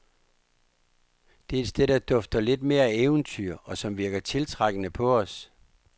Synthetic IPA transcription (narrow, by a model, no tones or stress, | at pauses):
d̥e̝æe̝d̥sd̥eð̰ˠd̥æd̥ɒ̽fd̥ɐle̝d̥me̝ːɐæeːʊn̩t͡sʰyɐ̰ɒ̽sɒ̽mʋiɐɡ̥ɐt͡sʰe̝lt͡sʰʁaɡ̥ənəpʰɒ̽ɒ̽s